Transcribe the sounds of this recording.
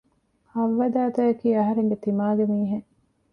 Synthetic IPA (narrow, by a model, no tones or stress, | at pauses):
hɐʋːɐd̪aːt̪ɐjɐkiːɐɦɐɾeŋɡet̪imaːɡemiːɦeŋ